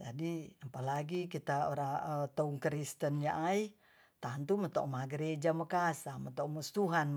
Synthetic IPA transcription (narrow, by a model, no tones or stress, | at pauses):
d͡ʒadiapalaɡikit̪aoɾaət̪auŋkəɾist̪ənjaʔai | t̪ant̪umət̪o̰ʔmaɡəɾed͡ʒaməkasamət̪oʔmust̪uɦan